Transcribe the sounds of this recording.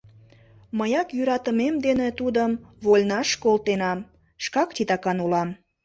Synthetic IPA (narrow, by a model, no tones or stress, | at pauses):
məjɑkjyɾɑt̪əmemd̪enet̪ud̪əmβolʲnɑʃkolt̪enɑm | ʃkɑkt̪it̪ɑkɑnulɑm